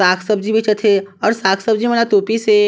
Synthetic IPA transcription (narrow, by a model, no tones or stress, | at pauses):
aːkʰsəbd͡ʒibet͡ʃət̪ʰeɔːɾsaːkʰsəb̚d͡ʒimɐnat̪oːpise